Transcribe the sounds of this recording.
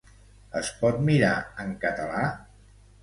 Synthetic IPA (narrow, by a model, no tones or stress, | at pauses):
əspɔt̪miɾaəŋkət̪əla